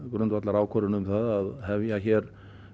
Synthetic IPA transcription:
kɾʏnt̪vat̪laɾaːwkʰɔɾʏnʏmθaðaðhɛvjaçɛɾ

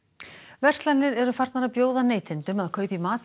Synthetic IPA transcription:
vɛr̥t̪lanːɪɾɛɾʏfar̥t̪naɾapjoːwðaneːjt̪ʰɪnt̪ʏmaðkʰœːɥpimaːt̪

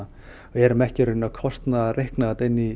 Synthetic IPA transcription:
a | ɛɾʏmɛhcɪrʏnːakʰɔst̪naðrehknaat̪ejnːi

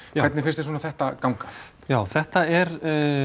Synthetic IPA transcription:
kːvɛt̪nɪfɪnst̪ɪsoɔnaθɛht̪akawŋkḁ | jaːwθɛht̪aɛɾ

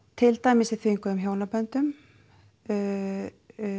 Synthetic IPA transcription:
t̪ʰɪlt̪aːjmɪsɪθvɪŋkʏðʏmçoːwnapœnt̪ʏm

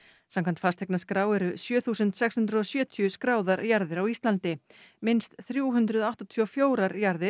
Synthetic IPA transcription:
samkʰant̪fast̪ʰɛknaskɾaːwɛɾʏsjœːθuːsʏnt̪sɛkshʏnt̪ɾʏɔsjœːt̪ʰjʏskɾaːwðaɾjaɾðɪɾawist̪lant̪ɪmɪnst̪θɾjuːɦʏnt̪ɾʏðɔaht̪ɔt̪ʰjofjoːwɾaɾjaɾðɪ

